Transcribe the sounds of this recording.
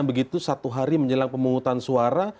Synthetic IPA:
ŋbəɡit̪usat̪uɦaɾiməɲd͡ʒəlaŋpəmuŋut̪ansuaɾa

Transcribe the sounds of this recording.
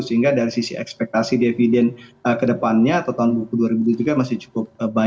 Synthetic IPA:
səiŋɡadaɾisisḭɛ̰kspɛk̚t̪asidefidɛnəkədəpanɲaːt̪awt̪aɦʊnbukuduaɾibudud͡ʒ̪uɡamasɪht͡ʃu̥kʊp̚əba

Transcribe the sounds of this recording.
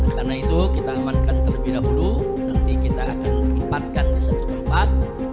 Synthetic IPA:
nakarnait̪ukit̪aːmankant̪əlbiɾaɦulu | nant̪ikit̪aːkant̪əmpat̪̚kandisat̪ut̪əmpat̪̚

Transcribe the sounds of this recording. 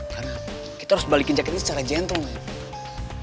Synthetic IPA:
kara | kit̪aɾʊsbalikiɲd͡ʒakit̪isət͡ʃaɾad͡ʒɛnt̪ɔŋ

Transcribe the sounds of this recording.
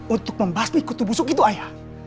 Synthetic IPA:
unt̪ʊk̚məmbasnikut̪ubusukit̪uaja

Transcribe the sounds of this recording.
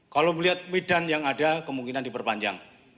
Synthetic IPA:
kaloməliɦat̪̚midanjaŋadakəmuŋkinandipərpaɲd͡ʒa̰ŋ

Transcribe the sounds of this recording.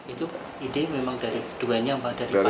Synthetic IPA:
it̪u | idememaŋd̥aɾid̪̥uwɛnɲampad̥aɾi

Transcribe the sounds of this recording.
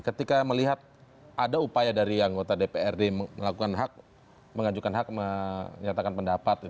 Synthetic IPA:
kət̪ikaməliɦat̪̚ | ʔadaupajadaɾiaŋɡot̪adepeɛrdemməlakukanɦak̚ | məŋad͡ʒukanɦak̚məɲat̪akanpəndapat̪it̪

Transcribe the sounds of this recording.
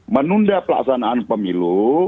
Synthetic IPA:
mənundapəla̰ksanaːnpəmilu

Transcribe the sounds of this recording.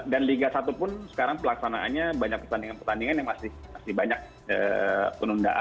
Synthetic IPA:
danliɡasat̪upʊnsə̥kaɾaŋpəlaksanaa̰nɲabaɲak̚pərt̪andiŋanpərt̪andiŋanjaŋmasɪhmasɪhbaɲak̚ | ə̰pənunda̰ʔa

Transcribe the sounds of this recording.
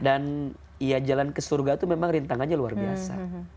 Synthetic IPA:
dan | ijad͡ʒalankəsurɡat̪umemaŋɾint̪aŋanɲalua̰rbiassa̰

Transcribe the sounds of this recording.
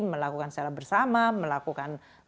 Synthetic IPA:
məlakukansət͡ʃaɾabərsamaməlakukan

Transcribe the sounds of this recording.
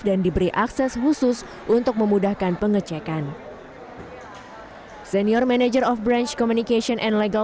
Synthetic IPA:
dandibəɾiʔaksɛshusʊs | ʔunt̪ʊk̚məmudahkanpəŋət͡ʃɛkan | sɛniɔrmanad͡ʒərɔfbɾant͡ʃkɔmunikeʃiɔnʔɛndleɡa

